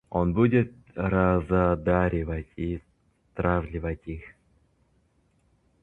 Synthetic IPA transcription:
onbudʲɪt̪̚ | ɾazad̪aɾʲɪvatʲi | t̪ɾavlʲɪvatʲix

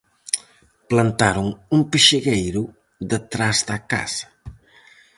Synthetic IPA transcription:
plant̪aɾoŋumpiʃeɣejɾʊ | ðət̪ɾazðɐka̰zɐ̥

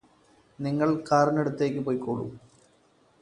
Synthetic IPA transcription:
niŋːɐɭkaːɾɐneɽut̪ːe̞ːkʲːɨpoːjkuːɻṵ

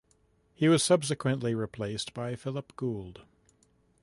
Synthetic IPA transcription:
hiwʌz̥sʌb̥sɨkʰwɨ̃nʔliɹipʰl̥eɪsb̥aɪfɪlˠəpɡ̥ulˠd̥

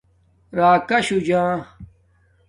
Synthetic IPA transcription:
ɾaːkɐɕud͡ʑãː

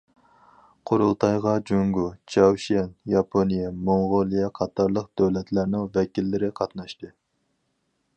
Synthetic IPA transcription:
qʰoɾulˠt̪ʰɑjʁɑd͡ʒoŋɡut͡ʃʰɑwʃiɛnjɑpʰonijɛmoŋʁolˠijɛqʰɑt̪ʰɑɾlˠəqd̪̥øwlɛt̪ʰlæɾnɪŋvɛkʲilːɪɾɪqʰɑt̪nɑʃt̪ɨ

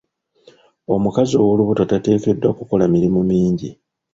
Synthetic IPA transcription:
o̞mukazo̞woluβutotate̞ːke̞dːwakuko̞lamiɾimumiːɲɟi

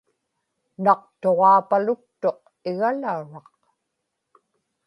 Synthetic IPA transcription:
nɑq̚t̪o̞ʁɑːpalʊk̚t̪o̞q | ɪɣalauɻɑq

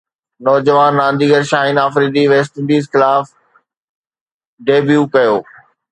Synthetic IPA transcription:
nɔːd͡ʑəʋaːnːãːnd̪iːɡəɾʃaːɦinaːfɾiːd̪iʋeːs̬ʈɪ̃ɳɖiːzxɪlaːf | ɖeːbjukɐjoː

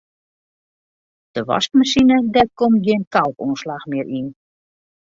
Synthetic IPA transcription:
d̥əʋɔ̰stmasinədɛt̚komɡiənkalˠkuːnslaxmɪəɾʔin

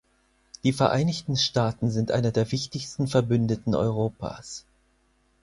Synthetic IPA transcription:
d̥iːfɛɐʔa̰ɪnɪçtn̩ʃtaːtn̩zɪntʔa̰ɪnɐdeːɐvɪçtɪçstn̩fɛɐbʏndətn̩ʔɔ̰ʏʁ̞oːpa̰ːs

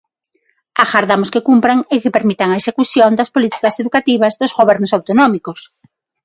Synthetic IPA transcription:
axaɾðamʊskekumpɾaŋekepeɾmit̪aŋɐesekuθjond̪ɐspolit̪i̥kɐseðukat̪iβ̞ɐzðozɣoβɛɾnʊsawt̪onɔmikos

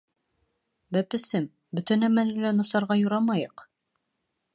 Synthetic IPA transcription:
bæpɘ̆sɘm | bɵ̆t̪ɘ̆næmænɘlænŏsɑɾʁɑjŏɾɑmɑjɤq

